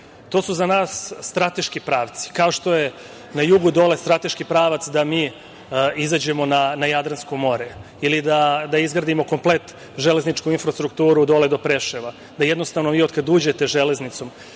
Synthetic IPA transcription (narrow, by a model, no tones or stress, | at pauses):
t̪o̞ːsuzanaːsːt̪ɾat̪e̞ʃkipɾaːʋt̪si̥kao̞ʃt̪o̞je | najuɡud̪o̞le̞st̪ɾat̪e̞ʃkipɾaːʋat̪sd̪amiː | izad͡ʑe̞mo̞nanajad̪ɾanskomo̞ɾe | ilid̪ad̪aizɡɾad̪imo̞ko̞mple̞t̪ | ʒe̞le̞znit͡ʃkuinfɾast̪ɾukt̪uːɾud̪o̞led̪o̞pɾeʃeʋa | d̪ajed̪no̞st̪aʋnoʋiːo̞d̪kad̪uːd͡ʑe̞t̪e̞ʒe̞le̞znit̪so̞m